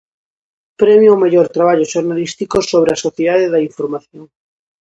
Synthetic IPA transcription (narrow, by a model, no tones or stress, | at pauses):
pɾɛmjoomeʎoɾt̪ɾaβ̞aʎoʃoɾnalist̪ikosoβ̞ɾeasoθjeðaðeðɐiɱfoɾmaθjoŋ